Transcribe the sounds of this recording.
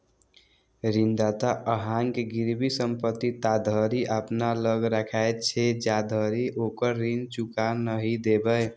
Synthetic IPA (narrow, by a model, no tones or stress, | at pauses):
ɾind̪at̪aʔəɦaŋkeɡiɾbisəmpət̪ːit̪ad̪ʱəɾiʔapnaləɡɾakʰajt̪t͡ʃʰed͡ʒad̪ʱəɾiʔokəɾːint͡ʃukanəɦid̪ebəj